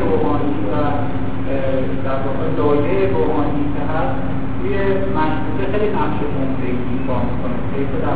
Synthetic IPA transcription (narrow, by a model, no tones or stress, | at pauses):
ɾomɒːniːvæ | d̪æɾvɒːɣe̞lɒːjejeɾomɒːniːkʰeɦæs | t̪ʰuːje | mæʃhuːɾexejlinæχʃekʰomfeiikɒːmikʰonetʰejfod̪æ